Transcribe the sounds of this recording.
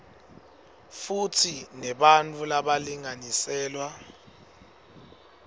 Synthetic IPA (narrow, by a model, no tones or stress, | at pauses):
futʰinɛɓant͡fʼulaɓaliŋanisɛːlwa